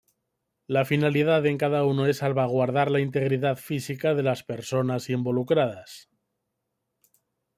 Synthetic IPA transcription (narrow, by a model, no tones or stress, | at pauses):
lafinaliðaðe̞ŋkað̞aunoesalβaɣ̞waɾðaɾlaint̪e̞ɣ̞ɾiðaðfisikað̞e̞laspe̞ɾso̞nasimbolukɾað̞as